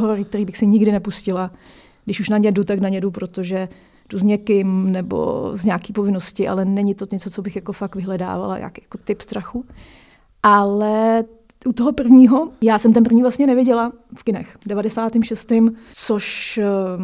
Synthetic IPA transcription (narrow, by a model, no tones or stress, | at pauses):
ɦoɾoɾɪk̚t̪ɛɾiːbɪxsɪɲɪɡdɪnɛpuscɪla | ɡdɪʃuʃnaɲɛdut̪aknaɲɛdupɾo̞t̪oʒɛ | d̥uzɲɛkɪmnɛbo̰zɲaːkiːpovɪnoscɪʔa̰lɛnɛɲɪt̪o̞ɲɛt͡so̞t͡so̞bɪxjako̞fak̚tvɪɦlɛda̰ːva̰la̰jʔa̰ːkjḁko̞t̪ɪpst̪ɾaxu | ʔalɛ | ʔut̪oɦo̞pr̩vɲiːɦo̞jaːsɛmt̪ɛnpr̩vɲiːvlasɲɛnɛvjɪɟɛla | fkɪnɛ̰xdɛvadɛsaːt̪ɪmʃɛst̪ɪmt͡soʃ